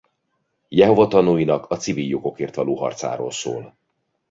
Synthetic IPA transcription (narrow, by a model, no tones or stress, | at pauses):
jɛɦo̞vɒt̪ɒnuːjinɒkʰɒt̪siviljo̞ɡo̞keːrt̪ʋɒloːɦɒ̰rt̪sa̰ːɾo̰ːlso̰ːl